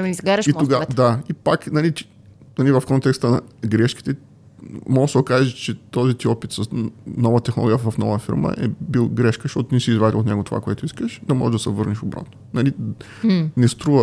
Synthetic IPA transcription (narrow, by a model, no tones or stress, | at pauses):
izɡaɾəit̪oɡad̪aipaknɐlit̪i̥ | nɐlivɐfkɔnt̪ɛkst̪ənɐ̰ɡɾɛʃki̥t̪ɛ | mɔɡəsɛokaʒɛt͡ʃɛt̪ɔzit̪iɔpit̪sɐsnɔvət̪ɛxnolˠɔɡijəvɐfnɔvəfḭɾmə̰ʔɛ̰bilˠɡɾɛʃkəʃt̪ɔt̪ʊnɛsizvad̪ḭlot̪nɛɡot̪ova̰koɛt̪oiskəʃd̪ɐmɔ̰ʒɛʒd̪ɐsɛvɤɾniʃobɾa̰t̪nonɐli | nɛst̪ɾuvə